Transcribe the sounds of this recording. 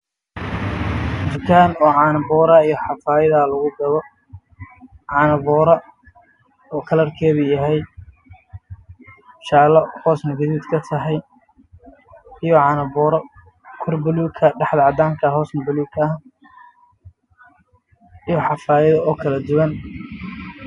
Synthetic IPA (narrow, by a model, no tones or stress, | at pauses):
ʊrkʰaːnɔːʕɑːnɐbɔːɾɐijɔħɑfaːjɐðɐlɐɣʊɡɐðɔ | ʕɑnɐβɔːɾɐ | ɔːkʰɐlɐrkʰɛːβʊjɐɦɛj | ʃaːlɔhɔːsnɐɡɐðiːd̪kʰɐt̪ʰɐɦɛj | ijɔʕɑnɐbɔːɾɔ | kʰɔrbɐluːkʰɐɖɛħd̪ɐʕɑd̪aːŋkʰɐɦɔːsnɐbɐluːkʰɐɐh | ijɔħɑfaːjɐðɔɔːkʰɐlɐd̪ʊwɐn